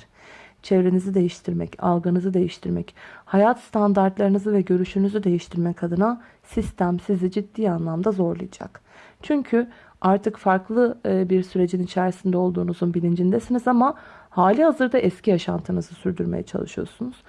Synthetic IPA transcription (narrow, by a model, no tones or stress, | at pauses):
t͡ʃʰevɾe̞nizid̪e̞jiʃt̪ʰiɾmɛ̰ca̰lˠɡanɯzɯd̪e̞jiʃt̪ʰiɾmɛ̰chajat̪st̪ʰand̪aɾt̪lˠaɾɯnɯzɯvɛɟø̞ɾyʃynyzyd̪e̞jiʃt̪ʰiɾmɛkʰad̪ɯna | sist̪ʰæmsizid͡ʒid̪ːiːanlˠamd̪azo̞ɾlˠɯ̰jd͡ʒa̰k | t͡ʃʰyɲcʰy | aɾt̪ʰɯkfaɾklˠɯbiɾsyɾe̞d͡ʒinit͡ʃʰæɾsind̪ɛo̞lˠd̪uːnuzunbilʲind͡ʒind̪ɛsinizamahaːlʲihazɯɾd̪aʔɛscʰijaʃa̰nt̪ʰɯnɯzɯsyɾd̪yɾme̞̰jɛ̰t͡ʃʰa̰lˠɯ̰ʃɯjo̞̰ɾsunuz̥